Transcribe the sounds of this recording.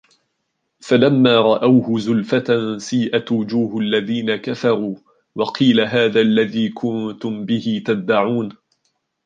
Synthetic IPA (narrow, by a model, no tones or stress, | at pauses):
falamːaːɾˤɑʔawhʊzʊlfat̪ansiːʔat̪wʊd͡ʒuːhʊʔalːaðiːnakafɑɾˤuː | wɑqʰiːlaɦaːðaːʔlːaðiːkʰʊnt̪ʊmbɪhɪt̪ad̪ːaʕuːn